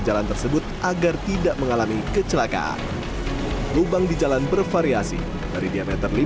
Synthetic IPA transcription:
d͡ʒalant̪ərsəbʊt̪̚ʔaɡart̪idaʔməŋalamikət͡ʃəlaka̰ʔa̰n | lubaŋdid͡ʒalanbərfaɾiasḭ | daɾidiamɛt̪ərli

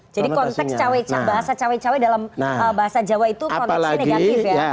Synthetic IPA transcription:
d͡ʒadikɔnt̪ɛkst͡ʃawɛt͡ʃabaɦasat͡ʃawɛt͡ʃawɛdalaməbaɦasad͡ʒawait̪ukɔnaɛlsneɡat̪ɪfja

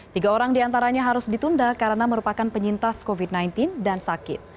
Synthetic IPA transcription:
t̪iɡaoɾaŋdiant̪aɾaɲaɦaɾʊsdit̪undakaɾənaməɾupakanpəɲint̪askovid̚najnt̪ɪndansakɪ̰t̪̚

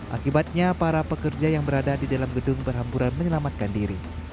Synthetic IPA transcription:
ʔa̰kibat̪̚ɲapaɾapəkərd͡ʒajaŋbəɾadadidalamɡədʊŋbərɦampuɾanməɲəlamat̪̚kandiɾi

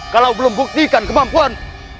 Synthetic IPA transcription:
kalawblombuk̚siːkankmaːmpʰuən

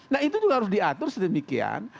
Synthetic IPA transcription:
nahit̪ud͡ʒuɡahaɾʊsdiat̪ʊrsədəmikḭa̰n

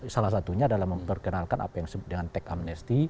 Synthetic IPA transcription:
salahs̬at̪uɲaːdalahməmpərkənalkanʔa̰pajaŋsəbʊt̪̚dəŋant̪ɛkamnɛst̪i

